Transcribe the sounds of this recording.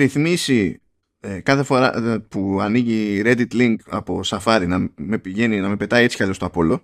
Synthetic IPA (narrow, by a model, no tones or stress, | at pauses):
ɾiθmisi | kɐθe̞fo̞ɾɐ̰puɐniʝiɾe̞d̪it̪liŋɡɐ̰po̞sɐfɐɾinɐme̞piʝe̞ninɐme̞pe̞t̪ɐiet͡si̥kɐʎo̞st̪oɐpo̞lo̞